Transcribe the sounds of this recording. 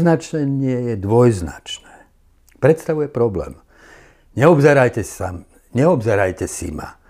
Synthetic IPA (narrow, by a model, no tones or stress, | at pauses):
znat͡ʃnɛɲɪɛjɛd̪ʋɔjzna̰t͡ʃnɛː | pɾɛt̪st̪aʋujɛpɾɔblɛ̰ːm | ɲɛɔbzɛɾajcɛsa | ɲɛɔbzɛɾajcɛsḭma̰